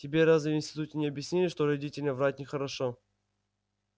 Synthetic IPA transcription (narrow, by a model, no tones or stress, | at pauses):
tʲɪbʲeɾaznɨjɪnsʲt̪ʲɪt̪utʲɪnʲɪɐbʲjɪsʲnʲilʲɪʂt̪oɾɐdʲitʲɪlʲnəvɾatʲnʲɪxəɾɐʂo